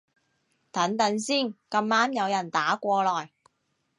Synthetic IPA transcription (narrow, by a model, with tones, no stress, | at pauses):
t̪ɐ˨˥ŋt̪ɐ˨˥nsiː˥˩nkɐ˧maː˥mjɐ˨˧wjɐ˨˩nt̪aː˨˥kʷɔː˧lɔː˨˩j